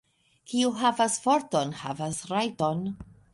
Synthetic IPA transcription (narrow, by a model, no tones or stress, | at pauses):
kiuɦavasfoɾtonha̰vasɾajton